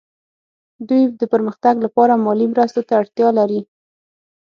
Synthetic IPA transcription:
d̪ujd̪əpəɾməxt̪aɡlapɑɾamɑlimɾəst̪ot̪aːɽt̪jɑlaɾi

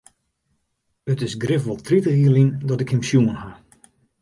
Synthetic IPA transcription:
ətɪsɡrɪfʋɔlˠtʰritəiəlindɔtɪkɪmsjuənha

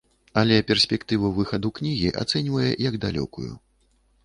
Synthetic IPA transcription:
ɐlʲɛpʲɛrsʲpʲɛkt̪ɨvɐvɨxɐd̪uknʲiɣʲiʔa̰t̪sɛnʲvɐjɛ̰jɐɡd̪alʲɔ̰kujṵ

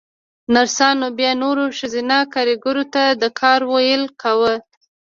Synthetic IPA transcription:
naɾsɑnobjɑnoɾoʃəzinakaɾiɡʊɾot̪ad̪əkʰɑɾwojəlkʰawə

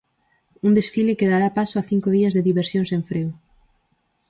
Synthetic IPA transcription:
und̪esfilekeðaɾapasoaθiŋkʊðiɐzðeðiβeɾsjõŋsẽɱfɾew

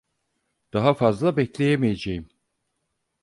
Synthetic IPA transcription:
d̪̥aɦafazlˠabɛclʲe̞jemijed͡ʒejim

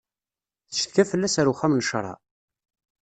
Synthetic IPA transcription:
θə̥ʃθkæfəlːæsæɾuχːæmnʃɾˤɑ̰

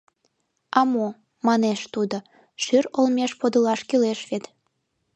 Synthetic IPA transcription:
ɑmo | mɑneʃt̪ud̪o | ʃyrolmeʃpod̪əlɑʃkyleʃβet̪

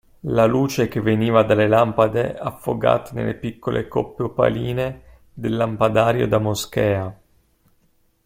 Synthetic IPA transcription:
laluːt͡ʃek̟evːeniːvad̪alːelampad̪eafːo̰ɡa̰ːt̪anḛlːepikːolʔḛkopːeopa̰liːne | d̪elːampad̪aːɾjo̰d̪amosk̟ɛːa

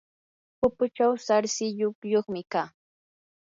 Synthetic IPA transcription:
pʊpʊt͡ʃawsaɾsɪʎokjoχmɪkaː

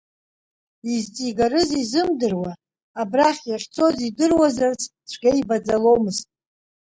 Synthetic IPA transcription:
izt͡sʼiɡaɾɨzizɨmdɨrwaː | braχʲjaχʲt͡sʰo̞zidɨrwazart͡sʰ | t͡ʃʷʰɡ̥ʲaibad͡zalo̞mɨztʼ

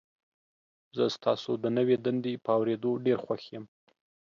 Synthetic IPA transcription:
zəst̪ɑsod̪ənəwed̪and̪epəawɾed̪oɖeɾxwaxjəm

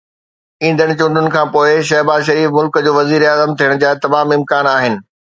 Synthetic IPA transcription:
ĩːnd̪əɽ̃̆t͡ɕʊ̃ɳɖʱʊnɪ̆kʰãːpoːɪʃ̬ɐɦbaːzʃɐɾiːfmʊlkd͡ʑoːʋɐziːɾaːzəmt̪ʰijəɽ̃ʊ̆d͡ʑaːt̪ɐmaːmɪ̃mkaːnaːɦɪnɪ̆

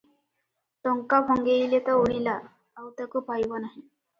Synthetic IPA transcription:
t̪ɔŋkabʱoŋɡeilet̪əoɭilaː | wt̪əkuːpajʋənaɦi

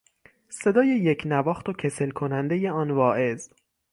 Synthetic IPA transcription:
se̞d̪ɒːje̞jecʰnævɒːxt̪ocʰe̞se̞lkʰo̞nænd̪e̞je̞ɒːnvɒːʔe̞z

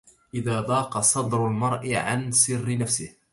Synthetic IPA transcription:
ʔɪðaːd̪ˤɑːqɑsˤɑd̪ɾʊlmɑɾˤʔɪʕa̰nsɪrːɪnafsɪh

